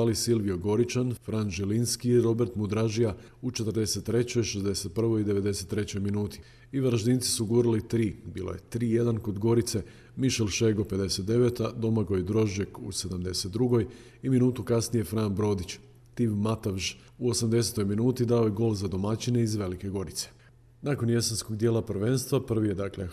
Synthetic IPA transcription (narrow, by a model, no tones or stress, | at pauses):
alisilʋioɡo̞ɾit͡ʃanfɾanʒelinskiiɾo̞be̞ɾt̪mud̪ɾaʒija | ut͡ʃet̪ɾd̪e̞se̞t̪ːɾe̞t͡ɕo̞jʃezd̪e̞se̞t̪̚pr̩ʋo̞jid̪e̞ʋe̞d̪e̞se̞t̪ːɾe̞t͡ɕo̞jminuːt̪i̥ | iʋaɾaʒd̪iːnsi̥suɡuːɾilit̪ɾiːbiːlo̰je̞t̪ɾiːje̞d̪anko̞d̪ɡo̞ɾit̪se̞ | miʃelʃeɡo̞pe̞d̪e̞se̞t̪̚d̪e̞ʋet̪ad̪o̞maɡo̞jid̪ɾo̞ʒakṵse̞d̪amd̪e̞se̞t̪̚d̪ɾuɡo̞j | iminuːt̪ukasnije̞fɾaːnbɾo̞ːd̪it͡ɕ | t̪iʋmat̪aʋʒ | uo̞samd̪e̞set̪o̞jminuːt̪id̪ao̞jeɡo̞ːlzad̪o̞mat͡ɕine̞izʋe̞like̞ɡo̞ɾit̪se̥ | nako̞nje̞sensko̞ɡd̪jelapr̩ʋe̞nst̪ʋapr̩ʋijed̪aklḛ